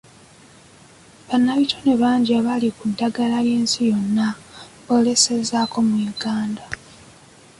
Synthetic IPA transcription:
βanːaβitʰo̞neβaːɲɟiaβalikudaɡalaje̞ːnsijo̞nːaβo̞le̞se̞zako̞mujuɡaːnda

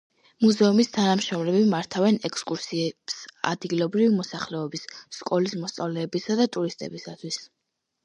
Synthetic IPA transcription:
muzɛumist̪ʰanamʃɾɔmlɛbimaɾt̪ʰavɛnɛkʰʼskʼuɾsiɛb̥sa̰d̪ɡilˠɔbɾivimɔsaχlɛɔbisːkʼɔlismɔst̪sʼavlɛːbisad̪at̪ʼuɾist̪ʼɛ̰bisat̪ʰwis

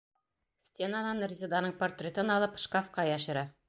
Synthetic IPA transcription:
sʲt̪ʲenanɑnrʲɪzʲed̪ɑnɤɴport̪rʲet̪ɤnɑlˠɤpʃkofqɑjɑʃɤ̆ɾɑ

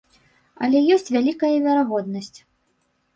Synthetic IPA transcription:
ɐ̰lʲɛjɔsʲt͡sʲvʲalʲikɐjɐvʲɐɾaɣɔd̪nɐsʲt͡sʲ

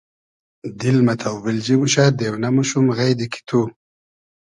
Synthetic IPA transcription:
d̪ɪlmat̪ʰawbɪld͡ʑimuɕad̪ewnamuʃumɣajd̪iki̥t̪ʰu

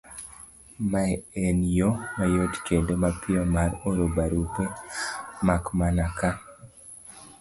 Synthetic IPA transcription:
maenjomajotkendomapiɔmaɾoɾobaɾupe | makmanaka

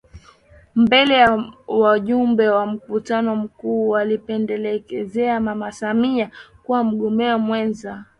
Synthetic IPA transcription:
mbɛlɛjawaʄumbɛwam̩kutanɔm̩kuːwalipɛndɛlɛkɛzɛamamasamiakuwam̩ɠɔmɛɔmwɛnza

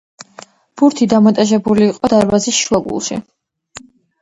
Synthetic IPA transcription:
b̥uɾt̪ʰid̪amɔt̪ʼaʒɛbuliːqʼɔd̪aɾbazisʃlˠɔɡṵlˠʃḭ

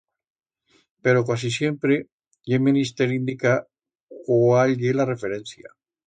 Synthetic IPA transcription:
peɾokas̬isje̞mpɾe | ʎemĩnist̪eɾind̪ika | koalɣelare̞feɾenθja

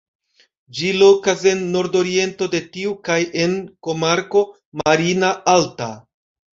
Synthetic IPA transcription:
d͡ʒilo̞kase̞nːo̞ɾdo̞ɾie̞nto̞de̞tiukajʔe̞nko̞maɾko̞ | maɾinaalta

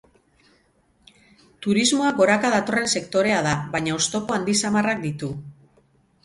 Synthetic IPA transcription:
t̪uɾizmo̞aɡo̞ɾakaðat̪o̞re̞nse̞kt̪o̞ɾe̞aðaβajɲao̞st̪o̞po̞and̪isamarak̚d̪it̪u

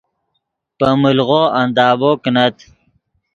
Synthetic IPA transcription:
pəmulɣoand̪ɑːboknat̪

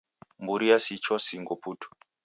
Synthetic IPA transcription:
mbuɾijasit͡ʃɔsiŋɡɔpʰutʰu̥

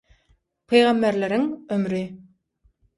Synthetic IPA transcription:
pʰejʁɑmːeɾleɾiŋømɾi

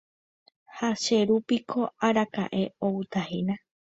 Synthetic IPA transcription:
haʃe̞ɾupikʰo̞aɾaka̰ʔe̞owɨt̪ahina

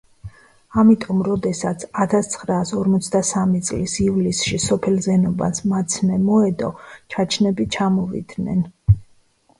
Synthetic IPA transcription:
amit̪ʼɔmɾɔd̪ɛsat̪sʰat̪ʰast̪sʰχɾaːsɔɾmɔt̪sʰd̪asamit̪sʼlisivlisʃisɔpʰɛlzɛnɔba̰smat̪sʰmɛmɔɛd̪ɔt͡ʃʰat͡ʃʰnɛbit͡ʃʰamɔvḭd̪nɛ̰n

